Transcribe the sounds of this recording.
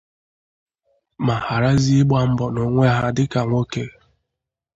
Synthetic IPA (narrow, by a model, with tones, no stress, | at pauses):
ma˨ha˨ɾa˦zi˦ɡ͡ba˦m̩˦bɔ˨no˨ŋʷe˦ɦa˦dɪ˦ka˨ŋʷo˦ke˦